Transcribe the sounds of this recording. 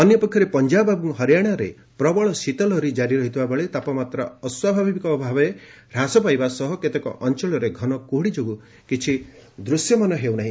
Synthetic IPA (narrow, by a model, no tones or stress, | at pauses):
ɔnjɔpɔkʰjɔɾepɔnd͡ʒababuŋɦɔɾjaɽ̃ɔɾḛ | pɾɔbɔɭɔsit̪ɔlɔɾid͡ʒaɾiɾɔɦit̪ʰibabɔɭet̪apɔmat̪ɾɔɔswabʱabʱibikɔːbʱabɔe | ɾasɔpajbasɔɦɔket̪ekɔ̰ʔɔnt͡ʃɔɭɔɾeɡʱɔnɔkoɦɽid͡ʒoɡu | kit͡ʃʰi | d̪ɾusjɔmɔnɔɦewnaɦĩ